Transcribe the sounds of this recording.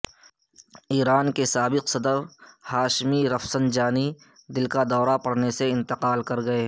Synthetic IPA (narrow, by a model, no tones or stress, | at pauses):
iːɾaːnkesaːbɪqsɐd̪əɾhaːʃmiɾɐfsənd͡ʒaːni | d̪ɪlkad̪ɔːɾapɐɽneseɪ̃nt̪ɪqaːlkɐɾɡɐeː